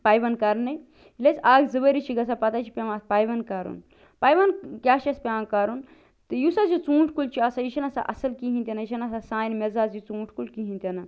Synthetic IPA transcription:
paːjʋɐnkɐɾnɨ | ilet͡saːɡzɨʋəɾit͡ʃʰiɡɐs̬apɐt̪at͡ʃʰi̥pʲɐmaspaːjʋɐnkaɾṵn | paːjʋɐnkʲaːʃɐspʲaːkaɾun | t̪ɨjusazit͡sũːʈʰkult͡ʃʰiɐsajiʃʰɐnɐsa̰ʔɐ̰sɐlkiɦĩnt̪ʲenɐjiʃʰɐnɐsasaːjnmezaːzit͡sũːʈʰkulkiɦĩnt̪ʲɐnɐ

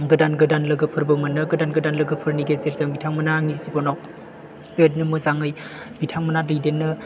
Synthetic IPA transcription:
ŋɡɯdanɡɯdanlɯɡɯpʰɯɾbɯmɐnɯɡɯdanɡɯdanlɯɡɯpʰɯɾniɡezeɾzaŋbitʰaŋmɐnaŋizzibɔnɔ | petnɯmɯzaŋɯj | bitʰaŋmanalijdenːɯ

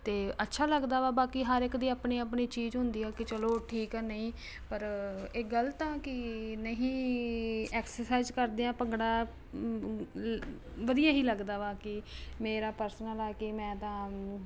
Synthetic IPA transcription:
t̪eːətːʃʰaːləɡd̪aːʋaːbaːkiːɦəɾɪkd̪iːaːpɳiːaːpɳiːt͡ʃiːzɦʊnd̪iːaːkɪt͡ʃəloːʈʰiːkɛːnəĩː | pəɾeːɡəlt̪ãːkɪnəɦĩː | ɛːksəɾsaɪzkəɾd̪eːãːpəŋɡɽaː | ʋəd̪ijaːɦiːləɡd̪aːʋaːkɪmeːɾaːpəɾsnəlɛːkɪmɛ̃ːt̪ãː

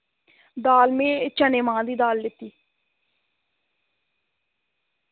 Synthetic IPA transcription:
d̪aːlmẽːt͡ʃəneːmãːd̪iːd̪aːlːɪt̪ːiː

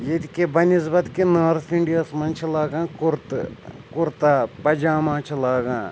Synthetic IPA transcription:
jet̪kebɐnisbɐt̪kinaːɾt̪ʰiɳɖijɐsmɐnt͡ʃʰilaːɡãːkuɾt̪ | kʊɾt̪apɐd͡ʒaːmãːt͡ʃʰilaːɡãː

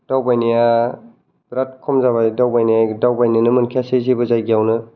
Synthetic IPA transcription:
d̥awbajnija | bɾat̚kʰɔmzaβajdawbajnijajdawbajninɯmɯnkʰiasezibɯzajɡijawnɯ

